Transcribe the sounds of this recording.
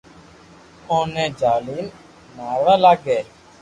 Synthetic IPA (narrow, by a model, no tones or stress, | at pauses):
õːnẽːd͡ʒaːliːn | naːɾaːlaːɡɛː